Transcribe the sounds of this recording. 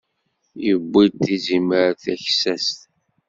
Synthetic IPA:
jəbʷːit̪ːiziməɾθæçsæst̪

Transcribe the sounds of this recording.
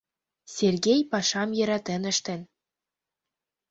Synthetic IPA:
sʲerɡʲejpɑʃɑmjɤ̆ɾɑt̪ɘ̆nɘ̆ʃt̪ɘ̆n

